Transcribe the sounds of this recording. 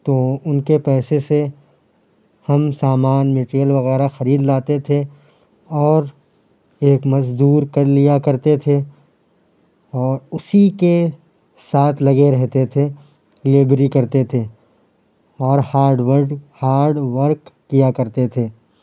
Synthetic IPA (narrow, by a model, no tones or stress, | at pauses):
t̪oʊnkepɛːsese | hɐmsaːmaːnmeːʈɾijəlʋɐɣɛːɾaxɐɾiːd̪laːt̪et̪ʰe | ɔːɾ | eːkmɐzd̪uːɾkɐɾlijakɐɾt̪et̪ʰe | ɔːɾʊsike | saːt̪ʰlɐɡeɾɛɦt̪et̪ʰe | leːbɾikɐɾt̪et̪ʰe | ɔːɾhaːɾɖʋəɾɖhaːɾɖʋəɾkːijakɐɾt̪et̪ʰeː